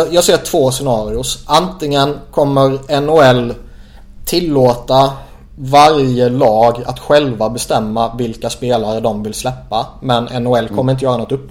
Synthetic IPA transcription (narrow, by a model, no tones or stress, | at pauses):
jɑːɡseːʈʰv̥oːsɛnɑːɾɪʊʂʔant̪lɪŋənkʰɔmːəɾɛnʊɛlː | t̪ʰɪlːoːt̪a | vaɾjəlɑːɡa̰t̪ɧɛlvabɛst̪ɛmːavɪlkaspeːlaɾəd̪ɔmvɪlslɛpːamɛnɛnʊɛlːkʰɔmːəɾɪnt̪əjœːɾnɔt̪ːɵpː